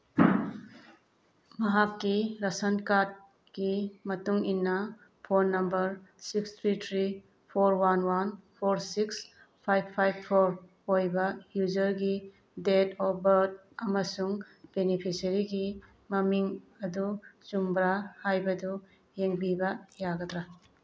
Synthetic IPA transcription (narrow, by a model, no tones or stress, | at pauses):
mɐɦakːiɾasɐnkat̚ | kimɐtuŋinːɐ | pʰonːɐmbɐɾsikst̪ʰɾitʰɾi | pʰoɾwanwanpʰoɾsiks | pʰajbpʰːajb̚pʰoɾ | ojbɐhjud͡ʒɐɾɡi | detɔbɐɾd̚ | ɐmɐsuŋ | benipʰisɐɾiɡi | mɐmiŋɐdut͡ʃumbɾahajbɐdu | jeŋbibɐjaɡɐtɾa